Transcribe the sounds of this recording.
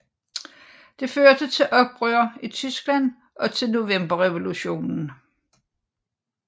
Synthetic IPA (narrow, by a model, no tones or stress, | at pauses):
d̥e̝føɐd̥ət͡sʰe̝lʔɒ̽b̥̚b̥ʁœɐit͡sʰysɡ̥læn̰ | ʔɒ̽t͡sʰe̝lno̝ʋem̰b̥ɐʁɛʋo̝luɕo̝̰ːnn̩